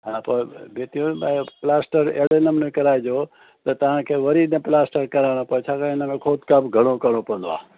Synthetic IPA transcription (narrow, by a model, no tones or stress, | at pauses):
ɦaːpobʱet̪ijũbaplaːsʈəɾḛːɽenəmnekɐɾaːed͡ʑoː | t̪ɐt̪ɐʋ̤ãkʰeːʋɐɾinẽplaːsʈəɾkɐɾaːɽ̃opɐt͡ʃʰaːkãːɪnəmẽkʰoːd̪kabɡʱɐɽ̃okɐɾɽopɐə̃n̆d̪oa̰ː